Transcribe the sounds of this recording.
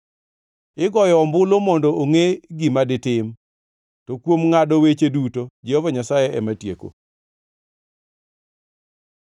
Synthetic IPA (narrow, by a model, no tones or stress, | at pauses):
ɪɡɔjɔːmbʊlomɔndɔoŋeɡimadɪtɪm | tokwomŋadɔwet͡ʃedutod͡ʒeovɔɲasajɛɛmatjeko̰